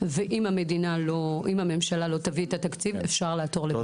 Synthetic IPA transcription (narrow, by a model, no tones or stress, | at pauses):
veʔimame̞dinaloʔimame̞mʃalalo̞t̪aviet̪at̪akt͡sivefʃaʁlaːto̞ʁle